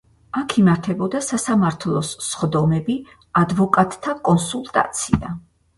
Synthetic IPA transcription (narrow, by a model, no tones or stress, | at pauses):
akʰimaɾt̪ʰɛbɔd̪asasamaɾt̪ʰlˠɔsːχd̪ɔmɛbi | ad̪vɔkʼat̪ʼʰːakʼɔnsulˠt̪ʼa̰t̪sʰia̰